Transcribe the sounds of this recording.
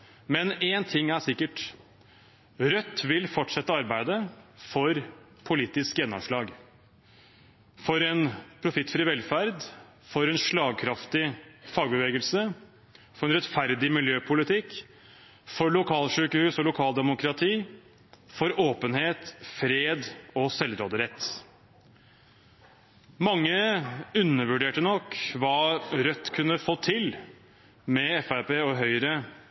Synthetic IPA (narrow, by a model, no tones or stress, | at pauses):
mɛnent̪ʰɪŋːæʂɪkːəʈ | ɾœt̪ːʋɪlfɔʈːʂɛt̪ːəɑɾbæɪd̪əfɔɾ | pʰʊliːt̪ɪskjɛnːɔ̰mʂlɑːɡ | fɔɾɛnpʰɾʊfɪt̪ːfɾiːʋɛlfæɾd̪ | fɔɾɛnʂɭɑːɡ̚kʰɾɑft̪ɪfɑːɡ̚bəʋeːɡəlsə | fɔɾɛnɾɛt̪fæɾd̪ɪmɪljøːpʰʊlɪt̪ʰɪkː | fɔɾɭʊkʰɑːlʂʉːkəhʉːsɔlʊkʰɑːld̪ɛmʊkʰɾɑt̪ʰiː | fɔɾoːpənheːt̪fɾeːd̪ɔsɛlɾoːd̪əɾɛt̪ː | mɑŋːəʉnːəɾʋʉɖeːʈənɔkːʋɑɾœt̪ːkʰʉnːəfoːt̪ʰɪl | mɛɛfæɾpeːɔɦœʏɾə